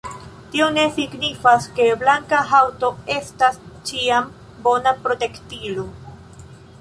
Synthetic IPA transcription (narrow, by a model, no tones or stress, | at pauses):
tio̞ne̞siɡnifaske̞blaŋkaɦawto̞e̞stast͡ʃiam | bo̞napɾo̞te̞ktilo̞